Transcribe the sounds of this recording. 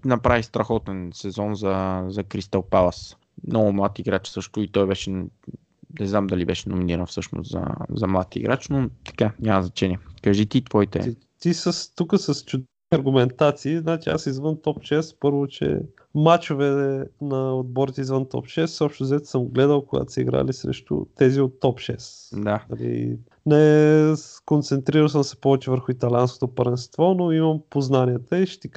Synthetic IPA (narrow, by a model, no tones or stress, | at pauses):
nɐpɾavist̪ɾɐxɔt̪ɛnsɛzɔnzɐzɐkɾist̪əlˠpalɐs | mnɔɡʊmlˠat̪iɡɾat͡ʃsɤʃt̪ʊit̪ɔjbɛʃɛ | nɛznamd̪ɐlibɛʃɛnominiɾənfsɤʃnʊ̰st̪zɐ̰zɐmlˠat̪ḭɡɾʔat͡ʃnot̪ɐ̥kaɲʲaməznɐt͡ʃɛnʲiɛkɐʒit̪it̪vɔit̪ɛ̰ | t̪isəst̪ukəsɐst͡ʃʊd̪ɛ | ɐɾɡʊmɛnt̪at̪siːznat͡ʃiasizvənt̪ɔpʃɛspɤɾvot͡ʃɛ̰ | mat͡ʃovɛnɐod̪̚bɔɾit̪ɛizvənt̪ɔ̰pʃɛsɔpʃt̪ʊzɛt̪səmɡlɛd̪əlˠkʊɡa̰t̪o̥sɛḭɡɾa̰lisɾɛ̰ʃt̪ʊ̰t̪ɛziot̪ːɔpʃɛ̰s | d̪anɐlḭ | nɛ | kont̪sɛnt̪ɾiɾəlˠsəmsɛ̥pɔvɛt͡ʃɛvəɾxʊit̪ɐlʲiansko̥t̪opəɾvɛnst̪vɔnoimɐmpoznaniɛt̪əiʃɛ̥t̪ɛk